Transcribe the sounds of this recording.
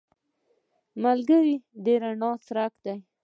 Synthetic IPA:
malɡəɾid̪eɾaɳɑsɾakd̪aj

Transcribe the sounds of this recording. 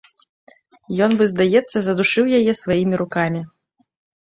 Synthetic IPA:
jɔnvɨzd̪ajɛt̪sːɐzɐd̪uʂɨwjajɛsvajimʲiɾukamʲi

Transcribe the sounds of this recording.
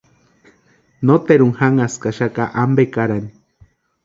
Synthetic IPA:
not̪eɾuŋhaŋaskaʃakaʔambekaɾani

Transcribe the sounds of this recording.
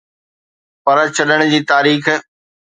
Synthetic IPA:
pɐɾt͡ɕɐɗəɽ̃ʊd͡ʑiːt̪aːɾiːx

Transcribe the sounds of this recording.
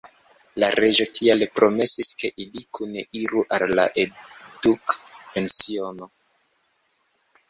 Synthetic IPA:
laɾʔe̞d͡ʒo̞tʰialepɾome̞siske̞ʔilikuneʔiɾuʔalːa̰ʔedukpe̞nsio̞no̞

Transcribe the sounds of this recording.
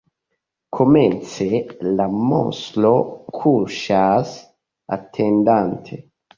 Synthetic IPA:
kʰomɛnt̪selamo̰slokʰuʃas | a̰t̪ʰːend̪ant̪ʰe

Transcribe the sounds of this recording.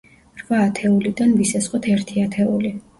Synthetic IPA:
ɾvaːt̪ʰɛulid̪anvisasqʼɔt̪ʰɛɾt̪ʰiat̪ʰɛuli

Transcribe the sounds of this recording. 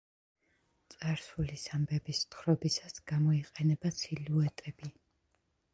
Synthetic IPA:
t̪sʼaɾsulisambɛbist̪χɾɔbisasɡ̥amɔiqʼɛnɛbat̪sʰiluɛt̪ʼɛbi

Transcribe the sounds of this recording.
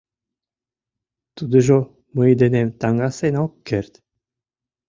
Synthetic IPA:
t̪ud̪ɤ̆ʒo | mɯjd̪ĕnemt̪ɑŋɡɑsenokːĕrt̪ʲ

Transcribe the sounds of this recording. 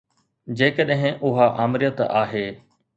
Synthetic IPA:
d͡ʑeːkəɗɦɪ̃ʔʊɦaʔaːmɪɾɪjət̪a̰ːɦeː

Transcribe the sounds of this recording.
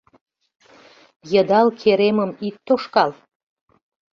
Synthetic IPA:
jəd̪ɑlkʰeɾeməmit̪ːoʃkɑl

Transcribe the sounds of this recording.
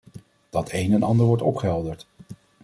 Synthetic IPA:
d̥ɑtʰejnɛnʔɑndəɹʋɔɹtɔpχəɦɛlˠdəɹt

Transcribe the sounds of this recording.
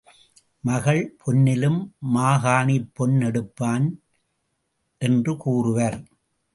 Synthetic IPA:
mɐɣɐɭpʰɔnːɪlɯmːaːɣaːɳipːɔnːɛɽɯpːaːn | ʔɛndrɯkuːrɯʋɐɾ

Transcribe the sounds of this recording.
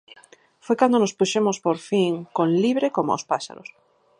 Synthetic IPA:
fwejkand̪onospuʃemospoɾfiŋkonliβɾekomo̰o̰spaʃa̰ɾo̰s

